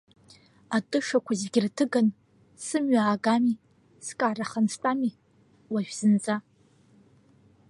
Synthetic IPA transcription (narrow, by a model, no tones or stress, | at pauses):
atʼɨʂakʷʰazɡʲɪrtʰɨɡan | sɨmɥaːɡami | skʼaraχanstʼami | waʒᶣz̥ɨnt͡sʼa